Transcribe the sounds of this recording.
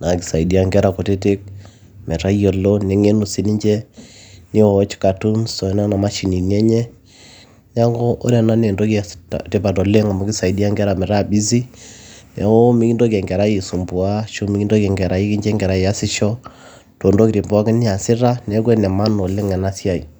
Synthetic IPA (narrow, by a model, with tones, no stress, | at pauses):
na˨ki˨sa˨i˨di˦a˦ŋɡɛ˦ɾa˨ko˨te˦tɪ˦k̚ | mɛ˨ta˦jɔ˨lo˦nɛ˨˦ŋe˦nu˨si˦ni˦ɲd͡ʒɛ˦ni˦ɔ˨˦t͡ʃka˨tu˦nsɔ˨˦na˦na˨ma˦ʃi˨ni˨nɛ˦ɲɛ˦ | na˦ŋɡɔ˦ʔːɾɛ˨na˦ne˨ndo˦kte˦pa˨tɔ˨le˦ŋa˨ma˨˦kɪ˦sa˨i˨di˦a˦ŋɡɛ˦ɾa˨mɛ˨ɾa˦˨bi˦z̬i˦nɛ˨˦o˦mi˦ki˦ndo˦kɛ˨ŋɡɛ˨ɾa˦je˨su˨mbʊ˨a˦ʃo˦mi˦ki˦ndo˦kɛ˨ŋɡɛ˨ɾa˨˦i˦ki˦ɲd͡ʒɛ˦ŋɡɛ˨ɾa˦ja˦sɪ˦ʃɔ˦ | to˨ndo˦kiti˨mbwa˦ki˦ni˦a˨sɪ˦ra˦nɛ˦kwɛ˦nɛ˨ma˦nɔ˨le˦ŋɛ˨na˦sja˦ḭ˨